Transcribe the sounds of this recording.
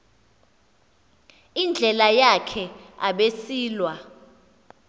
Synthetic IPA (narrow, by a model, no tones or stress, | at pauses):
ind͡ɮʱɛlajakʰɛa̰ɓesiːlwa